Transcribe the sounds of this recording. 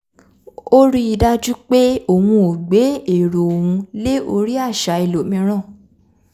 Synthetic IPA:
o˦ɾi˦i˧da˦d͡ʒu˦k͡pe˦o˦˨wũ˧o˨ɡ͡be˨˦e˦˨ɾo˨o˨wũ˧le˦o˧ɾi˦a˦˨ʃa˨˦e˨lo˨˦mĩ˧˦ɾ̃ã˦˨

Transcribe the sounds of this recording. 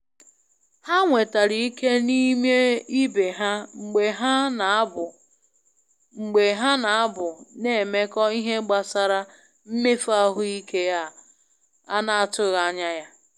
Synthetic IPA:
ha˦ŋʷe˨ta˨ɾi˨i˦ke˦ni˦me˦i˦be˨ɦa˦ŋ͡m̩˨ɡ͡be˨ɦa˦n˨˦bʊ˨ | ŋ͡m̩˨ɡ͡be˨ɦa˦na˨a˦bʊ˨ne˨me˦kɔ˦i˦ɦe˦ɡ͡ba˨sa˨ɾa˦ | m̩˦me˦fa˦ɦʊ˦i˦kʰe˦ja˦ | a̰˦na˦a˨tʊ˦ɣa˨a˦ɲa˦ja˦

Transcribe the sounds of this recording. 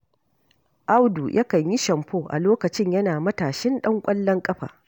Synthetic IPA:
ʔa˦wdu˨jʔɐ˦kɐ˨ɲji˦ʃɐ˨mɸoː˦˨ʔa̰˨loː˦kɐ˨t͡ʃɪ˦ɲjɐ˦naː˨mɐ˦taː˨ʃɛ˦nɗɐ˦ŋkʷʼɐ˦lːɐ˦ŋkʼɐ˦ɸa̰ː˨

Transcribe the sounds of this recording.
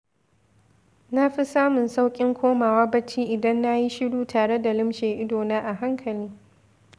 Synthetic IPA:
na˦ɸi˦saː˦mʊ˨nsa˦wkʲʼɪ˦ŋkʷoː˦maː˨waː˦bɐ˦t͡ʃiː˦ʔɪ˨dɐ˦nːa˦ji˦ʃɪ˦duː˦taː˨ɽe˦da˨lɪ˦mʃeː˨ʔɪ˦doː˨naː˦ʔa˨ɦa˦ŋkʰɐ˨liː˦

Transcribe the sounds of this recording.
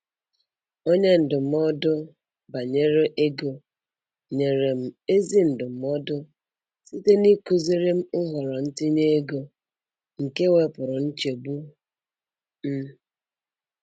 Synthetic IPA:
o˦ɲe˦n̩˨dʊ˨m̩˦ɔ˦dʊ˦ | ba˨ɲe˦ɾe˦ʔe˦ɡo˨ | ɲe˨ɾe˨m̩˨e˦zi˦n̩˨dʊ˨m̩˦ɔ˦dʊ˦ | si˦te˦ni˦ko˨zi˦ɾe˦m̩˦ɦʊ˨ɾɔ˨n̩˦tɪ˦ɲe˦e˦ɡo˨ | ŋ̩˨ke˦we˨pʊ˨ɾʊ˨n̩˦t͡ʃe˨bu˦ | m̩˦

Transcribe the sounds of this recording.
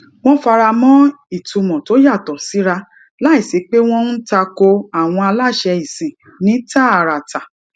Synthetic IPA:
w̃ɔ̃˦fa˧ɾa˧mɔ̃˦ | i˦˨tũ˨˧mɔ̃˨to˨˦ja˦˨tɔ˨si˨˦ɾa˧ | la˦i˨se˨˦k͡pe˦w̃ɔ̃˦n̩˦ta˧ko˧a˨w̃ɔ̃˧a˧la˦˨ʃɛ˧i˨sĩ˨ | nĩ˨˦ta˦˨a˨ɾa˨ta˨

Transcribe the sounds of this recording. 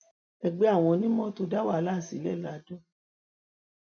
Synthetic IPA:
ɛ˧ɡ͡be˨˧˦a˦˨w̃ɔ̃˧nĩ˦mɔ̃˦to˧da˦wa˦˨˧la˦˨si˨˦lɛ˦˨la˨˦do˦

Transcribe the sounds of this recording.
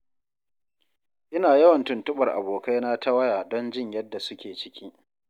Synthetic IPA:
ʔɪ˦naː˨jɐ˦wɐ˨ntʊ˨ntʊ˦ɓɐ˨rʔa̰˨boː˨ka˦jna˦ta˦wɐ˦jaː˨dɔ˦nd͡ʒɪ˦˨ɲjɐ˦dːa˨sʊ˦kʲeː˨t͡ʃɪ˦kʲʰiː˦

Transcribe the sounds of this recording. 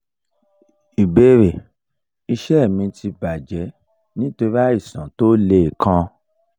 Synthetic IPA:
i˨be˦ɾe˨ | i˧ʃɛ˦˨mĩ˧tʰi˧ba˨d͡ʒɛ˨˦ | nĩ˦to˧ɾi˦a˦i˦˨sã˨to˦le˧˨kʰã˧

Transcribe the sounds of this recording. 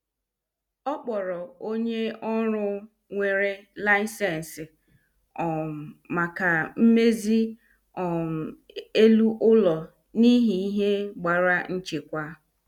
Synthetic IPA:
ɔ˦k͡pɔ˨ɾɔ˨o˦ɲe˦ɔ˦ɾʊ˦ | ŋʷe˨ɾe˦la˦ɪ˦sɛ˦n˨sɪ˨ | ɔ˨ma˨ka˨m̩˦me˦zi˦ | ɔ˨m̩˨ | e˦lu˦ʔʊ˦lɔ˨ | ni˦ɦi˨˦i˦ɦe˦ɡ͡ba˨ɾa˦n̩˦t͡ʃe˨kʷa˦

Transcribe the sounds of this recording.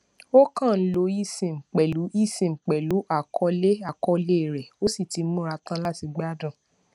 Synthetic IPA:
o˦kã˦˨˦lo˧˦i˦˨sĩ˨m̩˨k͡pɛ˨lu˨˦i˦˨sĩ˨ŋ͡m̩˨k͡pɛ˨lu˨˦ʔa˦˨kʰɔ˧le˦a˦˨kɔ˧le˦˨ɾɛ˨o˦si˦˨ti˨˦mũ˦ɾa˧tã˦la˦ti˧ɡ͡ba˦dã˦˨

